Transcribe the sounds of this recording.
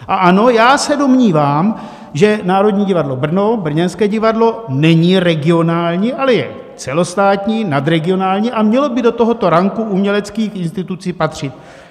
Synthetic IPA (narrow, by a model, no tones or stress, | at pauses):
ʔaʔano̞jaːsɛdo̞mɲiːvaːm | ʒɛnaːɾo̞dɲiːɟɪvadlo̞br̩nobr̩ɲɛnskɛːɟɪvadlo̞nɛɲiɾɛɡɪo̞naːlɲiːʔalɛjɛ̰ | t͡sɛlo̞st̪aːt̪ɲiːnad̪ɾɛɡɪo̞naːlɲiːʔamɲɛlo̞bɪdo̞t̪o̞ɦo̞t̪o̞ɾaŋkuʔumɲɛlɛt͡skiːxɪnst̪ɪt̪ut͡siːpat̪r̝̥ɪt̪̚